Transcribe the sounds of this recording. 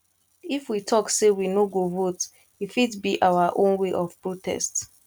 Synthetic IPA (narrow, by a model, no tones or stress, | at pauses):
ifwitʰɔksewinoɡovot | ifitbiʔawaʔõnweʔɔfpɹotʰɛ̰st